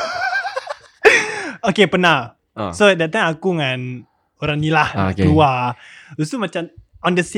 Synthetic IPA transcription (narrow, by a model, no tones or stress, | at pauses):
okepənah | sodat̪aŋakuŋãn | oɾaŋnilahkuausumat͡ʃam | ɔ̃ndəs